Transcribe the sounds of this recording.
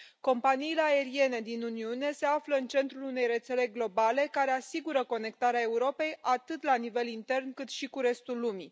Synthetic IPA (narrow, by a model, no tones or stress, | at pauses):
ko̞mpaniːle̞ae̞ɾie̞ne̞d̪inuniune̞se̞afləɨnt͡ʃe̞nt̪ɾulune̞jɾe̞t̪se̞le̞ɡlo̞bale̞kaɾe̞asiɡuɾəko̞ne̞k̚t̪aɾeae̞uɾo̞pe̞jʔat̪ɨt̪lanive̞lint̪e̞rnkɨt̪ʃikuɾe̞st̪ulːumi